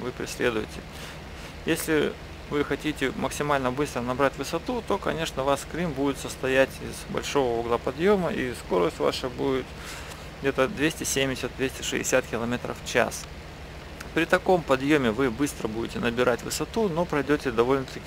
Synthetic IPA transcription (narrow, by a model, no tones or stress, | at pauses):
vɨpɾʲɪ̰sʲlʲe̞d̪ʊjɪtʲɪ | jesʲlʲɪ | vɨxɐtʲitʲɪməksʲɪmalʲnəbɨst̪ɾənɐbɾatʲvɨsɐt̪ut̪o̞kɐ̰nʲe̞ʂnəvaskɾʲimbudʲɪt̪səst̪ɐjætʲɪz̥bɐ̰lʲʂo̞vəuɡlˠəpɐd̪jo̞məʔisko̞ɾəsʲtʲva̰ʂəbudʲɪt̪ | ɡdʲe̞t̪əd̪vʲesʲtʲɪsʲemʲdʲɪsʲət̪̚d̪vʲesʲtʲɪʂɨ̰ɪ̰sʲat̪kʲɪlˠɐmʲe̞t̪ɾə̰ft͡ɕa̰s | pɾʲɪt̪ɐko̞mpɐd̪jo̞mʲɪvɨbɨst̪ɾəbudʲɪtʲɪnəbʲɪɾatʲvɨsɐt̪uno̞pɾɐjdʲotʲɪd̪ɐvo̞lʲnət̪ɐ